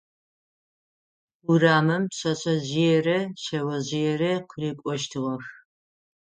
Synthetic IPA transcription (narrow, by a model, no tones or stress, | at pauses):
uraːmɐmɕʼɐɕʼɐʑijɛrɐʃɐwɐʑɪjɛrɐqʰriːkʷʼɔʃtʰɨʁɐx